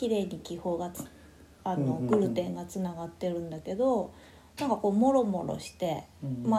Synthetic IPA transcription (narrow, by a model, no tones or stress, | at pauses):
kʲiɾe̞ːɲ̟ikʲiho̞ːɡat͡s | ano̞ɡɯ̟ɾɯ̟t̪ẽ̞ŋɡat͡sɨnaɡat̪ːe̞ɾɯ̟̃nd̪ake̞d̪o̞ | nãŋkako̞ːmo̞ɾo̞mo̞̰ɾo̰ɕi̥t̪e̞ma